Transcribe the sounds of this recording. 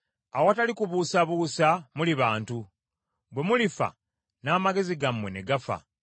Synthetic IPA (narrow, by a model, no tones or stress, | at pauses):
awoatalikuβuːsaβuːsamuliβaːntu | bwe̞mulifa̰ | naːmaɡe̞ziɡamːwe̞ne̞ɡafa̰